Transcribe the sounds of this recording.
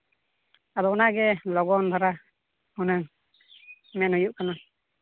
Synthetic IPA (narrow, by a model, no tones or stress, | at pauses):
ad̪ɔunaɡɛlɔɡɔnd̪ʰʱɔɾa | unaŋ | mɛnhujuʔkana